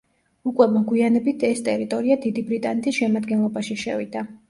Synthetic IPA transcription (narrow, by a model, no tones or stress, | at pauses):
ukʼwɛmɔɡwianɛbit̪ʰɛst̪ʼɛɾit̪ʼɔɾiad̪id̪ibɾit̪ʼanɛt̪ʰisʃɛmad̪ɡɛnlˠɔbaʃiʃɛvid̪̥a